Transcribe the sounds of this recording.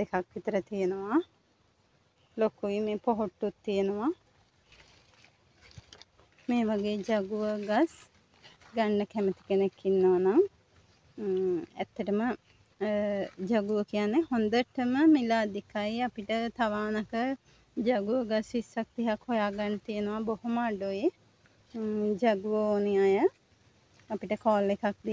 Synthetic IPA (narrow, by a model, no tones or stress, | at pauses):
d̪̥ekakʋit̪əɾət̪ijenəʋa | lokuʋimeːpoɦoʈːut̪ːijenəʋa | meːʋaɡeːd͡ʒaɡuʋəɡas | ɡaɳːəkɛmət̪i̥kenekːinːəʋanaŋ | æt̪ːəʈəmə | d͡ʒaɡuʋəkijanːehond̪əʈəməmilaːd̪ikaiapiʈət̪aʋaːnɐkə | d͡ʒaɡuəɡasʋisːak̚t̪iɦakhojaːɡanːət̪ijenəʋabohumaɖoji | d͡ʒaɡuʋəonejajə | apiʈəkɔːlːekak̚d̪i